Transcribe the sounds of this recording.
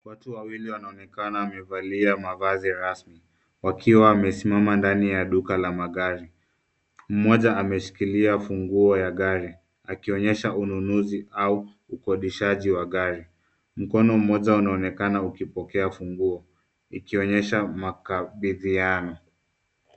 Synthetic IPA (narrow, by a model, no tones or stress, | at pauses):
watuwawiliwanaɔnɛkanaːmɛvaliamavaziɾasmi | wakʰiwaːmɛsimamandanijaɗukalamaɠaɾi | m̩mɔʄaːmɛʃi̥kiliafuŋɡuɔjaɠaɾi | akiɔɲɛʃaununuziauː | kɔɗiʃaʄiwaɠaɾi | m̩kɔnɔm̩mɔʄaunaɔnɛkanaukipɔkɛafuŋɡuɔ | ikiɔɲɛʃamakaɓiðianɔ